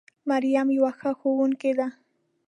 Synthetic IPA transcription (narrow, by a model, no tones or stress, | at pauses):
maɾjamjawaxaxowʊŋked̪a